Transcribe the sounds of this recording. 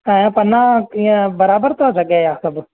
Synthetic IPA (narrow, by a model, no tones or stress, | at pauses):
ɛ̃ːpɐnãːkiːẽbəɾaːbəɾt̪ʰoːd͡ʒɐɡeːjaːsəb